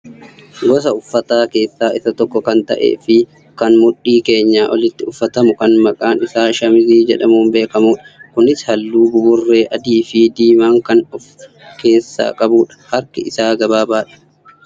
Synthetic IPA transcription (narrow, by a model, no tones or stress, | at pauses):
ɡɔsɐʊfːɐt̪aːke̞ːsːaːʔɪsɐt̪ɔkːɔkɐnt̪ɐ̰ʔḛːfɪ | kɐnmʊɗiːke̞ːɲːaːʔɔlɪt̪ːɪʊfːɐt̪ɐmʊkɐnmɐkʼaːnɪsaːʃɐmɪziːd͡ʒɛᶑɐmuːnbe̞ːkɐmuːᶑɐ̥kʊnɪshɐlːuːɡʊbʊrːe̞ːʔɐd̪iːfid̪iːmaːŋkɐnʊf | ke̞ːsːa̰ːkʼɐbuːᶑɐ̥hɐɾkɪɪsaːɡɐbaːbaːᶑɐ̥